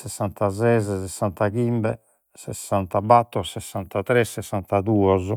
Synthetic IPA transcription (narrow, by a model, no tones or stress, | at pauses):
sɛsːant̪azɛzɛsɛsːant̪akimbɛ | sɛsːant̪abat̪ːɔsɛsːant̪at̪ɾɛsːɛsːant̪ad̪uːɔz